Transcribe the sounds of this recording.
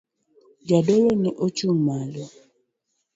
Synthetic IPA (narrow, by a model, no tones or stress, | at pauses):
d͡ʒadɔloniʔot͡ʃumalɔ